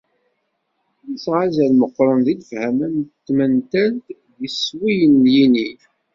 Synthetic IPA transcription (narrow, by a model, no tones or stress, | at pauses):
lisʁazælməqːɾˤənðiləfhæmænt̪ːmənt̪ænt̪ | ðiswijənljini